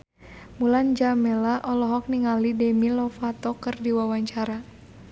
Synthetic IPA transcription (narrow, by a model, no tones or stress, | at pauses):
muland͡ʒamɛlaʔɔlɔɦɔk̚niŋalidɛmilɔfat̪ɔkɨrdiwawaɲt͡ʃaɾa